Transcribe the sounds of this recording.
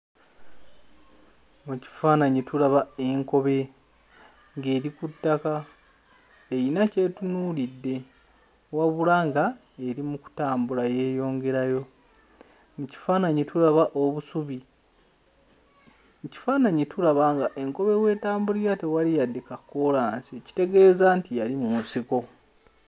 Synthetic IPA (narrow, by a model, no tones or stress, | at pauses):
muci̥faːnaɲitulaβae̞ŋko̞βe̞ | ŋɡe̞ːɾikutːaka | ejinace̞tunuːlidːe̞ | waβulaːŋɡa | e̞ɾimuku̥taːmbulaje̞ːjo̞ːŋɡe̞ɾajo̞ | muci̥faːnaɲitʰuɾaβaʔoβusuβi | muci̥faːnaɲitʰuɾaβaŋɡaʔe̞ŋko̞βe̞we̞ːtaːmbuliɾate̞walijadːekakːolaːnsici̥te̞ɡe̞ːzaːntijalimumusiko̞